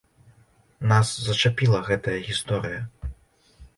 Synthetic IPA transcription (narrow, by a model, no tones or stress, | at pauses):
naszɐt͡ʂapʲilˠɐɣɛt̪ɐjɐɣʲist̪ɔɾɨjɐ